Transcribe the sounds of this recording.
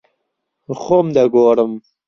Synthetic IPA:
xomd̪aɡoːɾəm

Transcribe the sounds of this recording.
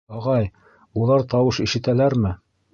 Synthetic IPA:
ɑʁɑj | ulˠɑɾt̪ɑwɤʃĭʃɘ̆t̪ælæɾmɘ

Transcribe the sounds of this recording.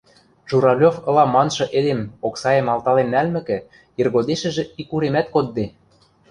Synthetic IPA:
ʒuɾɑlʲofɤ̆lɑmɑnʃɤ̆ʔed̪emoksɑjemɑlt̪ɑlenːælmɘ̆kɘ̆ | irɣod̪eʃɘ̆ʒĕikuɾemæt̪kod̪ːe

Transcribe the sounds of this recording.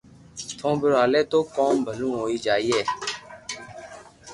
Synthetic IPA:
t̪ʰõːbəɾaːleːt̪oːkɔːmbʱəlũːɦoːiːd͡ʒaːiːɦɛː

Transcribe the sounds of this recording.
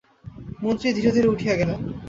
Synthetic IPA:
mont̪ɾid̪ʱiɾod̪ʱiɾuʈʰijeɡɛle

